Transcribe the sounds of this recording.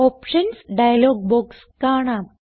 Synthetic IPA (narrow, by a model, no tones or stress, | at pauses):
ɔpʂənsɖajalɔɡ̚bɔks | kaːɽ̃a